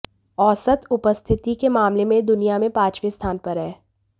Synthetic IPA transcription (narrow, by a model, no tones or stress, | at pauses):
ɔːsət̪ʊpəst̪ʰɪt̪ikemaːmlemẽd̪ʊnijamẽpaːt͡ʃʋist̪ʰaːnpɐɾɦɛː